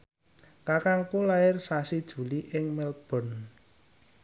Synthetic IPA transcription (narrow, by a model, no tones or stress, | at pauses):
kakaŋkulaɪrsasid̥ʒ̥ṳliʔɪŋmɛl̚b̥ɔ̤n